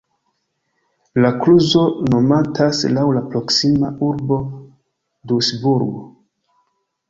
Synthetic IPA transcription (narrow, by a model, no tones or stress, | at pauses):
lakluzo̞no̞matʰaslawlapɾo̞ksimauɾbo̞ | dusbuɾɡo